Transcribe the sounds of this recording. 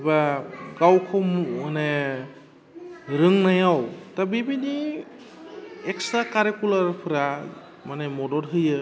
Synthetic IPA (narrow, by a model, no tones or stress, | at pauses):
baɡawkʰɔanɛ | ɾɯŋnajawtabibini | ɛksakaɾekulaɾpʰɯɾa | manɛmɔdɔɾɦɯjɯ